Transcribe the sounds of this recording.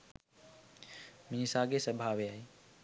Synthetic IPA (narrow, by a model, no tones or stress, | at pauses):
miisaːɡesəbʱaːʋeaːɦe